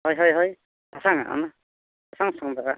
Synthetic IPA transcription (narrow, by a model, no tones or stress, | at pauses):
hɔjɦɔjɦɔj | asaŋa̰ʔa̰na | asaŋsaŋdaɡa